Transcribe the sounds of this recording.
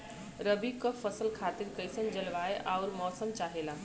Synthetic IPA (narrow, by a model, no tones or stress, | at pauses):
ɾɐbikɐfɐsəlkʰaːt̪ɪɾkɐisənd͡ʒɐlʋaːeʔaʊɾmɔːsəmt͡ʃaːɦelaː